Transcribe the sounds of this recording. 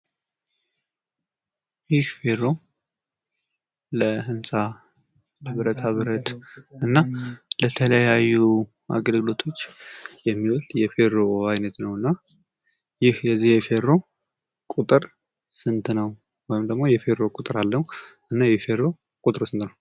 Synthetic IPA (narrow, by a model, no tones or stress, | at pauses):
jɪhfe̞ɾo̞ | ləhɨnsʼa | əβɨɾət̪aβɨɾət̪ɨnːalət̪ʰələjajːu | ʔa̰ɡəlɡɨlo̞t̪ʰo̞t͡ʃːjɛmːiwɔlt̪jɛfe̞ɾoajnət̪nəwɨnːa | jɪhjɛzːihjɛfe̞ɾːo̞ | kʼut̪ʼɨɾ | sɨnt̪nəw | wɔjɪmd̪əɡmo̞jɛfe̞ɾo̞kʼut̪ʼɨɾalːəhʔɨnːajɛhfe̞ɾːo̞ | kʼut̪ʼɨɾosɨnt̪nəw